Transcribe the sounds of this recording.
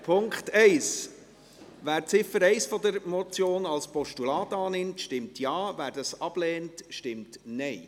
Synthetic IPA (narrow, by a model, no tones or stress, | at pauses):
pʰʊŋkχtɛɪs | ʋæːɾt͡sɪfəɾɛɪsfɔd̪əɾmɔt͡sjoːnɑlspɔʃtulɑːtɑːnɪmtʃtɪmtʰjɑːvæːɾd̥ɑsɑb̥lɛːntʃtɪmtnɛɪ